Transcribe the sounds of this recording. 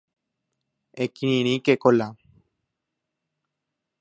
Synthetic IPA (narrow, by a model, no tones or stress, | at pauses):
ekiniñĩkekola